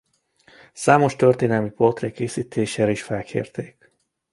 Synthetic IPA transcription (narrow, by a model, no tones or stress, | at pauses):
saːmo̞ʃt̪ørt̪eːnɛlmipolt̪reːkeːsiːt̪ʰeːʃeːɾiʃfɛlkʰḛːrt̪eːk